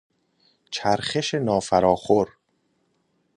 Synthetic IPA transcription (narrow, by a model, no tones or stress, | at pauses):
t͡ʃʰæɾχeʃe̞nɒːfæɾɒːxoɾ